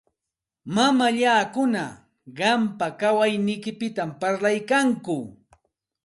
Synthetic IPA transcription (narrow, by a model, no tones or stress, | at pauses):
mamaʎaːkʊna | ɢɑmpakawajnɪjkɪpɪt̪ampaɾlajkaŋkʊ